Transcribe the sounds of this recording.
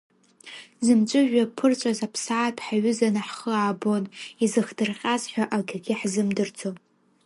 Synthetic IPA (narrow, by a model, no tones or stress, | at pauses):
zɨmt͡ʃʷʼɨʒᶣapʰɨrt͡ʃʷʼazapʰsaːtʰħaɥʏzanɨħχəaːbo̞nizɨχdɨrqʲʼazħʷaʔaɡʲaɡʲɪħzɨmdɨrt͡sʰo